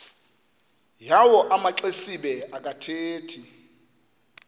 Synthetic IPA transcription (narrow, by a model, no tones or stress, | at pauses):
jawɔʔamaǁesiɓɛakʼatʰeːtʰi